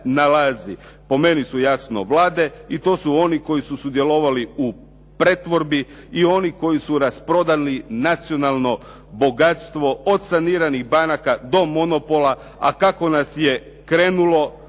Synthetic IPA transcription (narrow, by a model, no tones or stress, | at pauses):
nalazi | po̞me̞nisujasno̰ʋlaːd̪e̞it̪o̞ːsuo̞niko̞jisusud̪je̞lo̞ʋaliu | pɾet̪ʋo̞ɾbiː | o̞niko̞jisuɾaspɾo̞d̪alinat̪sio̞nalˠno̞ | bo̞ɡat̪st̪ʋo̞od̪saniːɾaniɣbanakad̪o̞mo̞no̞po̞lˠa | a̰kako̞nasje̞ | kɾe̞ːnulo̞